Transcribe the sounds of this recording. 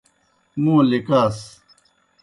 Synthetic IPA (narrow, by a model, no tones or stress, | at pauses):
mũːlikaːs